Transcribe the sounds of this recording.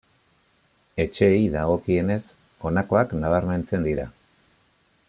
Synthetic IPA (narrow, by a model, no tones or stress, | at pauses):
e̞t͡ʃe̞iðaɣo̞kie̞ne̞s | o̞nako̞aknaβ̞aɾme̞nt͡se̞nd̪iɾa̰